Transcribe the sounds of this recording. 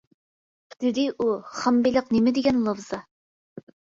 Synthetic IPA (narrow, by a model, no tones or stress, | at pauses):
qʰt̪ɪd̪ɪʔuχɑmbilˠəqnemɪd̪ɪɡʲɛnlˠovz̥ɑ